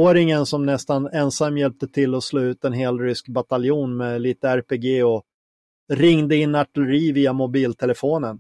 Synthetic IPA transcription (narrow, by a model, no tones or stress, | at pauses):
oːɾɪŋənsɔmnɛst̪anɛnsamːjɛlp̚t̪ət̪ʰɪlːɔsloːʉ̟ːt̪ɛnɦeːlɾʏskbat̪aljuːnmɛliːt̪əæɾpeɡeːɔ | ɾɪŋd̪əɪnːaʈːɛləɾiːviːamʊbiːlt̪ʰɛləfoːnən